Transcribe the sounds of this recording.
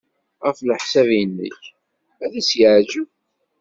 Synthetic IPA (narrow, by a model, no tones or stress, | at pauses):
ʁəfləħsævjənːə̰ç | æðisjəʕʒəw